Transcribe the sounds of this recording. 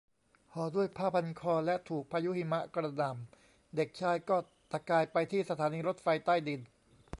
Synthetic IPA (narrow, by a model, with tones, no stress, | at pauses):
kʰɔː˩˦du˥˩əjpʰaː˥˩pʰa˧nkʰɔː˧lɛ˦˥ʔt̪ʰuː˨˩k̚pʰaː˧ju˦˥hi˧ma˦˥ʔkɾa˧na˨˩m | de˨˩k̚t͡ɕʰaː˦˧jkɔː˥˩ | t̪a˧˩kaː˧jpa˧jt̪ʰiː˥˩sa˧t̪ʰaː˩˦niː˧ɾo˦˥t̪̚fa˧jt̪aː˥˩jdi˧n